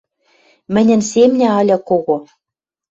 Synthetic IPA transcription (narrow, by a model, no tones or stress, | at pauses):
mɘ̆nʲɘ̆nsemnʲæ̆ɑlʲækoɣo